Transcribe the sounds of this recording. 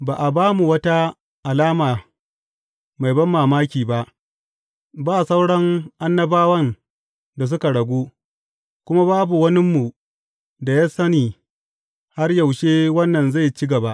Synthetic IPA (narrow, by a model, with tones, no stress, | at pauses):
baː˨ʔa˨baː˦mu˨wɐ˦ta˦ | ʔa˨laː˦maː˨ | ma˨jbɐ˦mːaː˨maː˦kʲiː˨ba˦ʔ | baː˦˨sa˦wɽɐ˦ŋʔa˦nːɐ˦baː˦wɐ˦n | da˨s̬ʊ˦ka˨ɽɐ˨ɡʷuː˦ | kʷʊ˦ma˦baː˦bu˨wɐ˦nɪ˦mːu˨ | da˨ja˦sɐ˦niː˨ | ha˦rja˨wʃeː˦wɐ˦nːɐ˨nza˦˨jt͡ʃɪ˦ɡɐ˨ba˦ʔ